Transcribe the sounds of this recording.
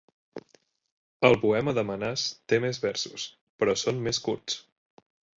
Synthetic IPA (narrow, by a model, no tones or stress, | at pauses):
əlˠpuɛməðəmənast̪emezβɛɾsus | pəɾɔsommeskuɾt͡s